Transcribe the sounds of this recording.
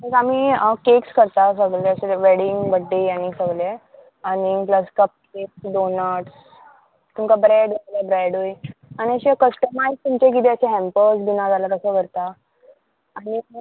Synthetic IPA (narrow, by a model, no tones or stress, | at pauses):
t̪əɾam̤iəkekskəɾt̪asəɡleəɕeʋeɽiŋɡbəɖːianisəɡle | anipləskəp̚keksɖonəʈs | t̪umkabɾeɖəlebɾeɽojañiəɕekəsʈəmajzt̪umt͡ɕekit̪iat͡ɕeɦɛ̃mpəsbinãd͡zʱalaɾəsəkəɾt̪aː | ni